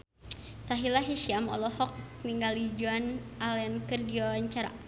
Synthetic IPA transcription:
saɦilaɦiʃiamɔ̰lɔhɔk̚niŋɡalid͡ʒuanalɛnkərdiawaɲt͡ʃaɾa̰

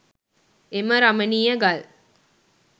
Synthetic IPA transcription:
eməɾɐməniːəɡal

